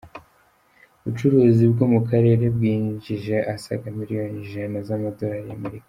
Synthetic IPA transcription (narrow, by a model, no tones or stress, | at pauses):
βut͡ʃuɾuːzibɡo̞mukaɾe̞ːɾe̞bɡiːɲɟiʒe̞ʔasa̰ɡamiɾijo̞niʒanazamado̞ɾaɾameɾikḁ